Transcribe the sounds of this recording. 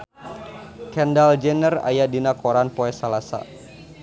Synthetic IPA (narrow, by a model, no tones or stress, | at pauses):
kɛndald͡ʒɛnəra̰jadinakɔɾanpɔɛsalasa̰